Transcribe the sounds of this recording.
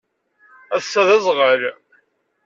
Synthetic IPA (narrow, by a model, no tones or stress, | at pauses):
æsːæðæzˤʁəɾ